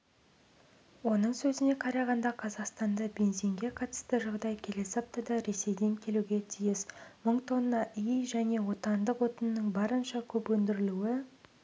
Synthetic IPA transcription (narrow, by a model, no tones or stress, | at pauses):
wo̞nəɴsɵzɪne̞qʰɑɾɑʁɑnd̪ɑqʰɑzɑqst̪ɑnd̪ɑbe̞nse̞ŋɡʲe̞qʰɑt̪ə̥st̪əʒɑʁd̪ɑjkʲʰe̞le̞sɑp̚t̪ɑd̪ɑɾe̞se̞jd̪e̞ŋkʲʰe̞luɡʲe̞t̪ʰijɪsməɴt̪ʰo̞nəːɑʔijjʒæne̞wo̞t̪ɑnd̪əqwo̞t̪ənənəɴbɑɾənʃɑkʲʰɵpwɵnd̪ɪɾɪluɪ